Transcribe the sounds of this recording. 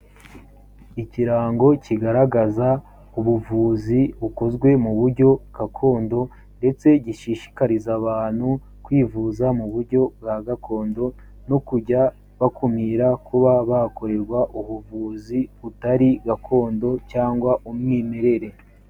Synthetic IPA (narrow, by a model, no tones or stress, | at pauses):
iciɾaːŋɡo̞ciɡaɾaɡaza | uβuvuːziβuko̞zɡwe̞muβuɾɟo̞ɡ̥akʰo̞ːndo̞ | nde̞t͡se̞ɟiʃiʃi̥kaɾizaβaːn̥hu | kwiːvuːzamuβuɾɟo̞bɡaɡako̞ːndo̞ | no̞kuɟa | βakumiɾakuβaβako̞ɾe̞ɾɡwaʔuβuvuːziβutaɾiɡakʰo̞ːndo̞caːŋɡwaʔumŋiːme̞ɾe̞ɾe̞